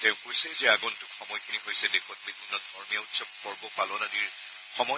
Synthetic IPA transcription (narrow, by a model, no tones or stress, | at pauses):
tɛʊ̃kojsɛzɛaɡɔntʊkxɔmɔjkʰiniɦojsɛdexɔt̚bibʱinːɔtɔɹmijautsɔk̚pɔɹbɔpalɔnaniɹ | xɔmɔ